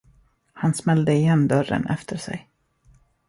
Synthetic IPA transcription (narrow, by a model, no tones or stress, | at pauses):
hansmɛld̪əɪjɛnːd̪œɾːə̰nʔɛft̪ʰəʂɛ̰j